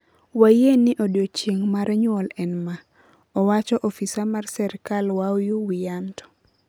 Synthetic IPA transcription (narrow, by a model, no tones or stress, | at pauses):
wajeniʔodjot͡ʃeŋmaɾaɲwɔlɛnma | ɔwat͡ʃɔʔɔfisamarsɛɾkalwawjuwijantɔ̥